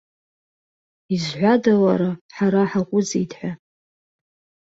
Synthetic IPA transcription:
izħʷadawaɾaħaɾaħaqʷʼʊd͡zitʰʼħʷᶣa

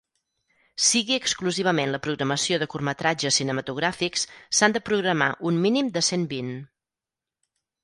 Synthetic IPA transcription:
siɣiəkskluziβ̞əmenləpɾuɣɾəməsioðəkurmət̪ɾad͡ʒəsinəmət̪uɣɾafikssand̪əpɾuɣɾəma̰ʔunminimd̪əsembin

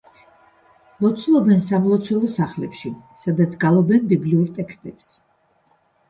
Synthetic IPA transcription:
lˠɔt̪sʰlˠɔbɛnsamlˠɔt̪sʰwɛlˠɔsaχlɛpʃisad̪at̪sʰɡalˠɔbɛnbibliuɾt̪ʼɛkst̪ʼɛps

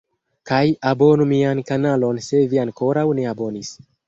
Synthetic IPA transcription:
kajabo̞numiankanalo̞nse̞viaŋko̞ɾawne̞abo̞nis

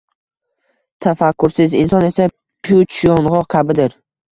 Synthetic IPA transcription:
t̪ʰafakːʊɾsɪzɪnsɒne̞sa | pʰjut͡ʃʰijɒnʁɒkʲʰabɪd̪ɪɾ

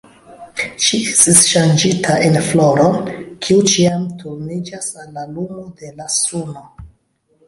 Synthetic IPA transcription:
ʃiestisʃand͡ʒitʰaʔenflo̞ɾokʰiut͡ʃiamtʰuɾnid͡ʒasalːalumode̞lasuno

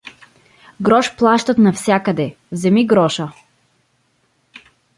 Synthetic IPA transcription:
ɡɾɔʃplˠaʃt̪ət̪nɐfsʲjakəd̪ɛ | vzɛmiɡɾɔʃə

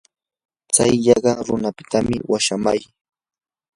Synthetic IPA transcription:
t͡sa̰jʎɑɢɑɾʊnapɪ̥t̪amɪ̰waʃamaj

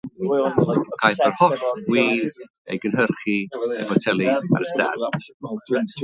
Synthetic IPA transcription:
kʰajərhɔɬwiːð | ḛjɡənɦərχiḛvɔtʰɛlˠia̰ɾəsta̰d

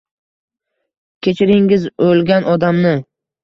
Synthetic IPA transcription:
kʲʰet͡ʃʰɪɾɪŋɪzolɡʲanʔɒd̪amnɪ

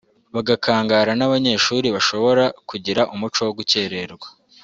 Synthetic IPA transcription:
βaɡakʰaːŋɡaːɾanaβaɲe̞ʃuːɾiβaʃo̞βo̞ɾakuɟiɾaʔumut͡ʃo̞woɡuce̞ːɾe̞ɾɡwḁ

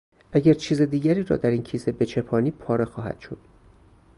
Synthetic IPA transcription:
ʔæɟʲæɾt͡ʃʰiːze̞d̪iːɟæɾiːɾɒ̰ːd̪æɾiːncʰiːsebe̞t͡ʃʰepʰɒːniːpʰɒːɾexɒːhæ̰d̪̥ʃo̞d̪̥

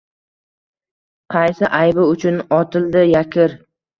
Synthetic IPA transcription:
qʰɑjsɪʔajbɪʊt͡ʃʰʊnɒt̪ʰɪld̪ɪjakʲʰɪɾ

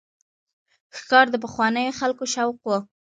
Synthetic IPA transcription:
xkɑɾd̪əp̬əxwɑnəjoxalkoʃawqwo

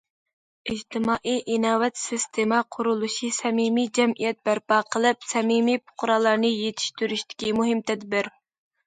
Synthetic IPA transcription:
ɪd͡ʒt̪ʰɪmɑːʔijʔinɑːwɛt̪sist̪ʰemɑqʰʊɾulˠuʃisɛmimid͡ʒɛmʔijɛt̪̚bæɾpɑːqʰəlˠɨpsɛmimijpʰʊ̥qʊɾɑːlˠɑɾnɨjet̪ʰɪ̥ʃt̪yɾyʃt̪ɪ̥kʲimuɦɪmt̪ʰɛd̪bɪɾ

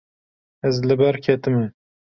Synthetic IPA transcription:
ɛzlɨbɛɾkʰɛt̪ɨme

